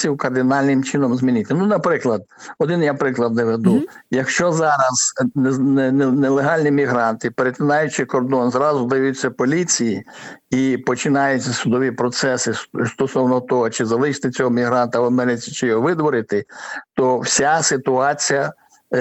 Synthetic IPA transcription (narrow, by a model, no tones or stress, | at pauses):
iwkɐrd̪ɪnɑlʲnɪmt͡ʃɪnɔmzmʲinɪt̪ɪnunɐpɾɪklˠɐd̪̚ɔd̪ɪnjapɾɪklˠɐd̪nɛʋed̪u | jɐkʃt͡ʃɔzɑɾɐz̥nnnelˠeɦɑlʲnʲimʲiɦɾɑnt̪ɪpeɾet̪ʲɪnɑjʊt͡ʃɪkɔrd̪ɔnzɾɑzʊd̪ɪjʋʊjʊt͡sʲːɐpɔlʲit͡sʲijiipɔt͡ʃɪnɑjʊt͡sʲːɐsʊd̪ɔʋʲipɾɔt̪sɛsɪst̪ɔsɔwnɔt̪ɔɦɔt͡ʃɪzɐlˠɪʃt̪ɪt͡sʲɔɦɔmʲiɦɾɑnt̪ɐʋɐmɛɾɪt͡sʲi̥t͡ʃɪjɔɦɔʋɪd̪ʋɔɾɪt̪ɪt̪ɔwsʲasɪt̪ʊɑt͡sʲijɐ